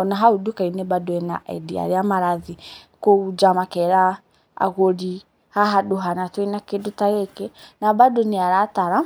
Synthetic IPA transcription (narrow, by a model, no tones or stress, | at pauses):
ɔnaɦaudukainebadoɛnaʔɛ̰dia̰ɾeamaɾaði | koud͡ʒamakɛɾa | a̰ɣoɾi | haɦadoɦanatweinakedotaɣekenabadoneaɾataɾa